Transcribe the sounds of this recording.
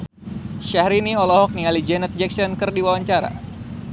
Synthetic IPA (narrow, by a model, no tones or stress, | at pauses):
ʃahɾiniɔlɔɦɔk̚nialid͡ʒɛnət̪̚d͡ʒɛksɔnkɨrdiwawaɲt͡ʃaɾa̰